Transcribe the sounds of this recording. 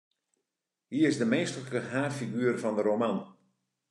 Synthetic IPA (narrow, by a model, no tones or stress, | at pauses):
hiəɾɪzdəmeːstələkəɦaːfiɡyːərfɔndəɾoman